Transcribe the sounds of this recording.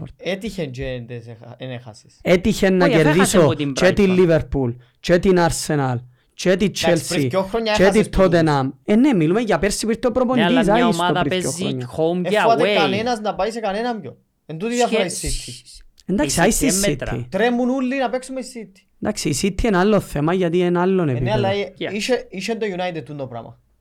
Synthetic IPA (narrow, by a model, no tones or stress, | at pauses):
et̪içent͡ʃeneenexɐsi̥set̪içenːɐceɾðisot͡ʃet̪ilːiveɾpul | t͡ʃet̪inaɾsenal | t͡ʃet̪it͡ʃʰːelsɾiioxɾoɲːɐt͡ʃet̪it̪ʰːot̪enamenːemːilumecapeɾsipiɾt̪ːopɾoponisaisoɾioɾoɲːoeɐt̪ekɐnenɐznɐpaisekɐnenɐmɟo̰ | ent̪ut̪iðafoɾaisːit̪ʰːi | ɛnd̪aksiajist̪isit̪ːḭt̪ɾemːunulːinɐpeksumeisːit̪ːi̥d̪aksiisit̪ʰːiɛnalːoθːemajat̪̬iɛnalːoneinealːaiʃeiʃent̪ojunajt̪ed̪t̪ːund̪opɾɐ̰mɐ̰